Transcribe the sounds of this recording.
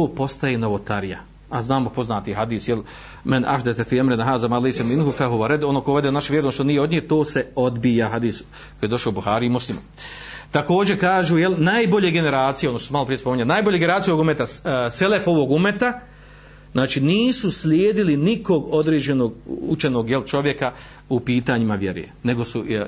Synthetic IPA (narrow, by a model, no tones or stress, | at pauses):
t̪oːpo̞st̪ajenoʋot̪aɾija̰ | aznaːmopo̞znaːt̪iɦad̪iːsjel | mɪnʔa̰hd̪et̪efiamɾenaɦaːzamaːlejseminɦufaɦuʋaɾɛd̪o̞noːkoʋe̞d̪enaʃʋjeɾnoʃt̪onijeo̞d̪ɲihet̪o̞ːse̞o̞d̪bijaɦad̪iːs | kojed̪o̞ʃaoubuxaːɾiimuslimu | t̪ako̞ːd͡ʑe̞kaːʒujelnaːjbo̞ʎe̞ɡe̞ne̞ɾaːt̪sijeod̪noʃt̪osmalo̞pɾijespo̞miɲanaːjboʎeɡeneɾaːt̪ijooumet̪aselefo̞ʋo̞ɡumet̪a | znaːt͡ʃiniːsuslʲjeːd̪iliniko̞ɡo̞d̪ɾeːd͡ʑe̞noɡut͡ʃeno̞ɡjelt͡ʃo̞ʋje̞ka | upiːt̪aːɲimaʋjeɾ̰ḛne̞ɡo̞su